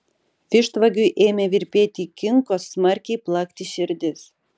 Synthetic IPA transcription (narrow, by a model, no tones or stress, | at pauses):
fiʃt̪vaɡʲyʔemʲevirpʲet̪ʲikiŋkosmɑrkʲiplˠɑkt̪ʲiɕɘrd̪ʲɘs